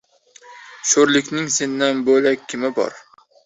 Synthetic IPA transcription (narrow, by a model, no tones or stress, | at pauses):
ʃoɾlɪkʲnɪŋsenːɪnbølɛkʲʰːɪmɪbɒ̰ɾ